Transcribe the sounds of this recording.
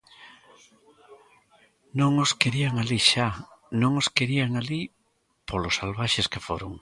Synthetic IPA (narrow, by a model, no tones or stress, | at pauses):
nõŋoskeɾiaŋaliʃanõŋoskeɾiaŋali | polosalβaʃeskefoɾo̰ŋ